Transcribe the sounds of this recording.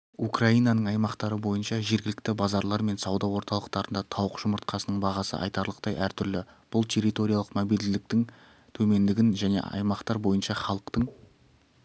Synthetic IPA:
ukrɑijnɑnəɴɑjmɑqt̪ɑɾəbo̞jənʃɑʒe̞ɾɡʲɪlɪk̚t̪ɪbɑzɑɾlˠɑɾme̞nsɑwd̪ɑwo̞ɾt̪ɑlˠəqt̪ɑɾənd̪ɑt̪ʰɑwəqʒ̥ʊməɾt̪̚qʰɑsənəɴbɑʁɑsə̰ʔɑ̰jt̪ɑɾlˠəqt̪ɑjæɾt̪ʰʏɾlɪb̥ʊlˠt̪ʰe̞ɾʲit̪o̞ɾʲijɑlˠəqmobijld̪ɪɪk̚t̪ɪŋ | t̪ʰɵme̞nd̪ɪɡʲɪnʒæne̞̰ɑ̰jmɑqt̪ɑɾbo̞jənʃɑχɑlˠəqt̪əɴ

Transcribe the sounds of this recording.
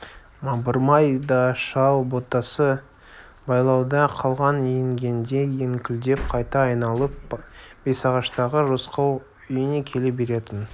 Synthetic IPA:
mɑbəɾmɑjd̪ɑʃɑwbo̞t̪ːɑsə | bɑjlˠɑwd̪ɑqʰɑlˠʁɑnjeŋɡʲe̞nd̪e̞je̞ŋkʲʰɪld̪e̞p̚qʰɑjt̪ɑːjnɑlˠəp̚b̥e̞sɑʁɑʃt̪ɑʁəʒosqɑw | ʏjɪne̞kʲʰe̞lebe̞ɾe̞t̪ɪn

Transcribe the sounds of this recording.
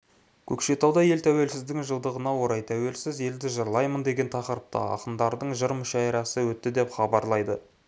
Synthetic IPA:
kʲʰɵkʃe̞t̪ɑwd̪ɑje̞lt̪ʰæwe̞lsɪzd̪ɪŋʒəlˠd̪əʁənɑwo̞ɾɑjt̪ʰæwe̞lsɪze̞ld̪ɪʒəɾlˠɑjmənd̪e̞ɡʲe̞nt̪ʰɑqəɾəp̚t̪ɑ̰ɑ̰qənd̪ɑɾd̪əɴʒəɾmʏʃɑjɾɑsəwɵt̪ːɪd̪e̞pχɑbɑɾlˠɑjd̪ə

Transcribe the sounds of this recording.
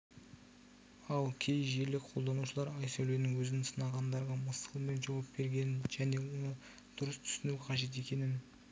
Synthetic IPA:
ɑlˠkʲʰe̞jʒe̞ɾlɪkqʰo̞lˠd̪ɑnuʃəlˠɑɾɑjsæle̞nɪŋwɵzɪnsənɑʁɑnd̪ɑɾʁɑməsəlˠme̞nʒɑwɑpbe̞ɾɡʲe̞nɪnʒæne̞wo̞nə | d̪̥ʊɾəst̪ʰʏ̥sɪnuqʰɑʒe̞t̪̬e̞kʲe̞nɪn

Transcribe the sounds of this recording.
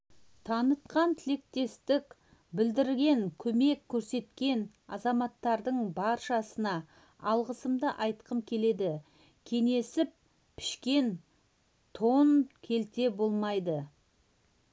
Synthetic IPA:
t̪ʰɑnət̪̚qɑnt̪ʰɪle̞k̚t̪e̞st̪ɪkʲ | bɪld̪ɪɾɡʲe̞ŋkʲʰɵme̞kʲʰːɵɾse̞t̪kʲe̞n | ɑ̰zɑmɑt̪ːɑɾd̪əɴbɑɾʃɑsənɑ | ɑlˠʁəsəmd̪əʔɑjt̪qəmkʲʰe̞le̞d̪ɪ | kʲʰe̞ŋe̞sɪp̚ | pʰɪ̥ʃkʲe̞n | t̪ʰo̞nkʲʰe̞lt̪e̞bo̞lˠmɑjd̪ə

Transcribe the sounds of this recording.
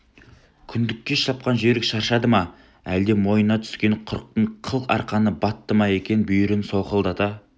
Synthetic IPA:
kʲʰʏnd̪ɪkʲːe̞ʃɑp̚qɑnʒeɾɪkʃɑɾʃɑd̪əmɑ | æld̪e̞mo̞jənɑt̪ʰʏ̥skʲe̞ɴqʰʊɾəq̚t̪əɴqʰəlˠqɑ̰ɾqɑnəbɑt̪ːəmɑje̞kʲe̞nbʏjʏɾɪnso̞qəlˠd̪ɑt̪ɑ

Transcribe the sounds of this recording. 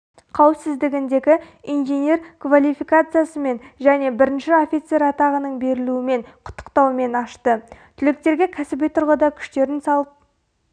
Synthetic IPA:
qʰɑwɪpsɪzd̪ɪɡʲɪnd̪e̞ɡʲɪ | ijnʒenʲe̞ɾkvalʲˠijfikat̪sɨjasəme̞nʒæne̞bɪɾɪnʃɪo̞fʲit̪se̞ɾɑt̪ɑʁənəɴbe̞ɾɪluɪme̞ɴqʰʊ̥t̪ːə̥qt̪ɑwme̞nɑʃt̪ət̪ʰʏlɪk̚t̪e̞ɾɡʲekʲʰæsɪbet̪ʰʊɾʁəd̪ɑkʲʰʏ̥ʃt̪e̞ɾɪnsɑlˠəp̚

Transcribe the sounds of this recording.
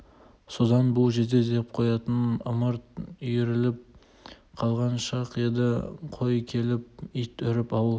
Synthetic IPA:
so̞d̪ɑnbʊlˠʒe̞ɾd̪e̞d̪eɪp̚qʰojɑt̪ənʊməɾt̪ʏjeɾɪlɪp̚ | qʰɑlˠʁɑnʃɑqed̪ɪqʰo̞jkʲʰe̞lɪp̚ijt̪ʰʏɾɪpɑwəlˠ

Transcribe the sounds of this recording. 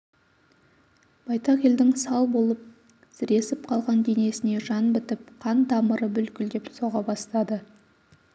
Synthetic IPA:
b̥ɑjt̪ɑqe̞ld̪ɪŋsɑlˠbo̞lˠəp̚ | sɪɾe̞sɪp̚qʰɑlˠʁɑnd̪e̞ne̞sɪne̞ʒɑnbɪt̪ɪp̚qʰɑnd̪ɑməɾəbʏlkʲɪld̪e̞pso̞ʁɑbɑst̪ɑd̪ə

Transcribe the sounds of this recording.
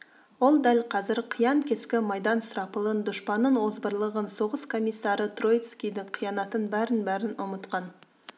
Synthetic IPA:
wo̞lˠd̪ælqʰɑzɪɾqʰijɑŋkʲʰe̞skʲɪmɑjd̪ɑnsɾɑpəlˠənd̪ʊʃpɑnːəɴwo̞zbəɾlˠəʁənso̞ʁəskʰo̞mʲijsːɑɾət̪ro̞jt̪skʲijd̪ɪɴqʰijɑnɑt̪ənbæɾɪnbæɾɪnʊmət̪qɑn

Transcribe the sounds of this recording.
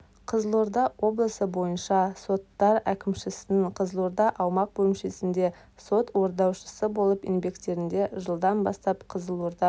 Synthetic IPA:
qʰəzəlˠoɾd̪ɑwo̞blˠəsəbo̞jənʃɑso̞t̪ːɑɾækʲɪmʃɪsɪnɪŋqʰəzəlˠoɾd̪ɑʔɑwmɑq̚bɵɪmʃesɪnd̪e̞ | so̞t̪wo̞ɾd̪ɑwʃə̥səbo̞lˠəpɪ̰nbe̞kt̪e̞ɾɪnd̪e̞ʒəlˠd̪ɑnbɑ̰st̪ɑpqʰəzəlˠoɾd̪ɑ

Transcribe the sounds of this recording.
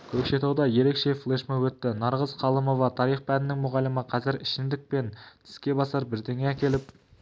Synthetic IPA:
kʲʰɵkʃe̞t̪ɑwd̪ɑje̞ɾe̞kʃe̞flˠeʃmewɵt̪ːɪnɑɾʁəzqʰɑlˠəmo̞vɑt̪ʰɑɾijχpænɪnɪŋmʊʁɑləməqʰɑzɪɾɪʃɪnd̪ɪk̚pe̞nt̪ʰɪ̥skʲe̞bɑsɑɾbɪɾd̪eŋeækʲe̞lɪp̚

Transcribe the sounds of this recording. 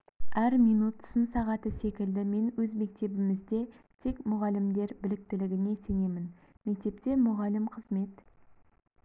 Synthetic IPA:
æɾmijnut̪sənsɑʁɑt̪əse̞kʲɪld̪ɪme̞nwɵzme̞k̚t̪e̞bɪmɪzd̪e̞ | t̪ʰe̞kmʊʁɑlɪmd̪e̞ɾbɪlɪk̚t̪ɪlɪɡʲɪne̞se̞ne̞mɪn | me̞k̚t̪e̞p̚t̪e̞mʊʁɑlɪmqʰəzme̞t̪

